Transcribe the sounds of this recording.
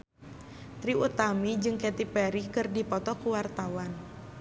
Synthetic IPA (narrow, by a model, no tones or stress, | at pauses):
t̪ɾiut̪amid͡ʒɨŋkɛt̪ipɛɾikɨrdipɔt̪ɔkuwart̪awan